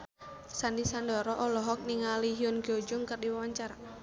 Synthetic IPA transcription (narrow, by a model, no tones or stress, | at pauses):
sandisandɔɾɔʔɔlɔɦɔk̚niŋaliɦiɔnɡɔd͡ʒʊŋkərdiwawaɲt͡ʃaɾa